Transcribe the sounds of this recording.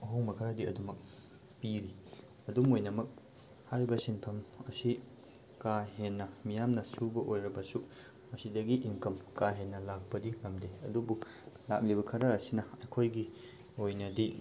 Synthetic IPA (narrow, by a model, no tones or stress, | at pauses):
ɐɦowŋmɐkʰɐɾadiɐ̰dumɐk̚ | piɾi | ɐdumojnɐmɐk̚ | hajɾbɐsinpʰɐmɐsi | kaɦenːɐmijamnɐsubɐʔojɾɐbɐsu | mɐsidɐɡiʔimkɐmkaɦenːɐlak̚pɐdiŋɐmdeɐdubu | la̰k̚libɐkʰɐɾɐːsinɐɐjkʰojɡi | ojnɐdi